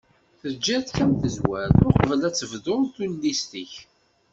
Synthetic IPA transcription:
θəd͡ʒːæθçæmθəzwæɾθʊɾqəvəlæt͡sːəvðoɾθunːist̪iç

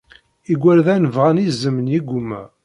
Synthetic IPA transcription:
iɡʷːælðænəvʁænizːəmənjiɡʷumæ

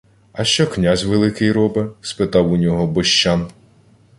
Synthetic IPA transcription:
ɐʃt͡ʃɔknʲazʲʋelˠɪkɪjɾɔbɪspɪt̪ɑwunʲɔɦɔbɔʃt͡ʃːam

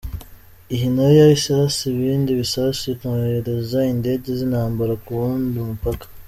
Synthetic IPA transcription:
iɦinojaisaɾasiβiːndiβisaɾasiikueɾezainde̞ɟezinhaːmbaɾakuɾuːndiumupakḁ

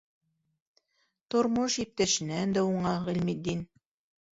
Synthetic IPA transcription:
t̪ŏɾmoʃjip̚t̪æʃɘ̆nænd̪æuɴɑʁɘlʲmid̪in

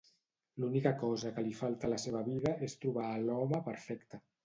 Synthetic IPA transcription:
lunikəkɔzəkəlifalˠt̪ələseβəβiðəest̪ɾuβ̞aːlɔməpəɾfɛkt̪ə

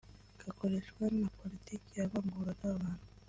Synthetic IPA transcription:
ɡ̥ako̞ɾeʃɡwannapo̞litikijaβaːŋɡuɾanaββaːn̥hu

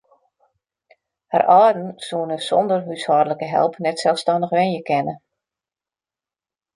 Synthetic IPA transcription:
ha̰rʔɔːdən̩suənəsɔndərɦyshɔːdələkəɦɛ̰lˠpnɛtsɛlˠfstɑndəxʋɛnjəkɛnə

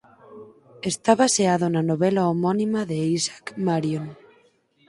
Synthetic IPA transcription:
est̪aβaseaðonanoβelaomonimaðeisḁkmaɾjon

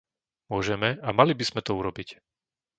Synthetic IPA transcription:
mʊɔʒɛmɛamalibiz̥mɛt̪ɔuɾɔbic

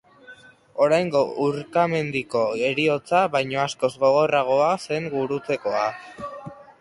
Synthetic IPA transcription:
o̞ɾajŋɡo̞uɾkame̞nd̪iko̞e̞ɾio̞t͡saβajɲo̞asko̞zɣo̞ɣ̞o̞raɣ̞o̞ase̞ŋɡuɾut͡se̞ko̞a

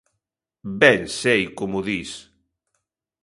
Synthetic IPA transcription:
bɛnsejkomʊðis

